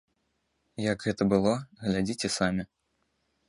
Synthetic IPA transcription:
jɐɡɣɛt̪ɐbɨlˠɔɣlʲad͡zʲit͡sʲɛsamʲi

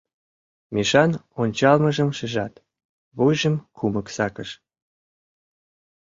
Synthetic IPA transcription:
meʃɑnonʲt͡ɕɑlməʒəmʃeʒɑt̪ | βojʒəmkʰuməksɑkəʃ

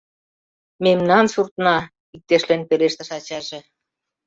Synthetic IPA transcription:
memnɑnsurt̪nɑ | ik̚t̪eʃlenpeleʃt̪ə̆ʃɑt͡ɕɑʒĕ

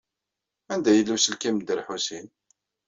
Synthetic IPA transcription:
ænd̪æjəlːusəlkimd̪əɾħusin

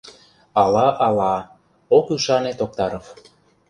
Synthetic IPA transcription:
ɑlɑʔɑlɑ | okyʃɑnet̪ok̚t̪ɑɾof

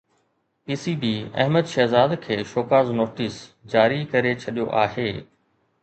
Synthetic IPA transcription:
piːsibiːɛ̰ɦməd̪ʃɛɦzaːd̪kʰeːʃoːkaːznoːʈisd͡ʑaːɾikɐɾet͡ɕʰɐɗijoʔaːɦeː

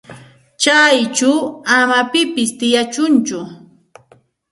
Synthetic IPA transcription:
t͡ʃajt͡ʃʊwamapɪpɪst̪ɪjat͡ʃʊnt͡ʃʊ

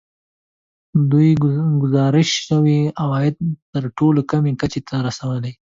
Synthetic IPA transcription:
d̪ujɡʊzɑɾɪʃʃawiawɑjɪd̪̚t̪əɾʈolokamekat͡ʃet̪ʰaɾasawalaj

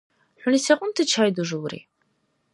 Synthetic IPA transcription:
ħʷʊnisɐqʷʼʊmtʰɨt͡ʃʰaːjduʒɨwɾḭː

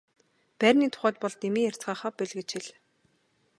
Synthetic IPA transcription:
pærʲniːt̪ʰʊ̥χæːt̪pɔɮt̪emiːjær̥t͡sɢaːχaːpːeɮɣɘ̆t͡ɕʰxĭɮ

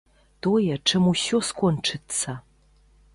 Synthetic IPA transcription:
tojɐʈ͡ʂʰɨmuɕoskʷʰʼɔnʈ͡ʂʰɨt͡sʰa

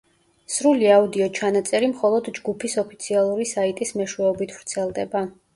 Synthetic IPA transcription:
sɾuliaud̪iɔt͡ʃʰanat̪sʼɛɾimχɔlˠɔd̪d͡ʒɡupʰisɔpʰit̪sʰialˠuɾisait̪ʼismɛʃwɛɔbit̪ʰvɾt̪sʰɛlˠd̪ɛba

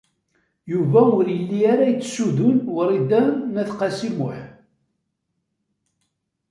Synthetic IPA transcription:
juvæʊɾjəlːiaɾæjət͡sːsuðʊnwəɾid̪ænæθqɑsimʊħ

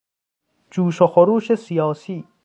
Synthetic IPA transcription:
d͡ʒuːʃoxoɾuːʃesijɑːsiː

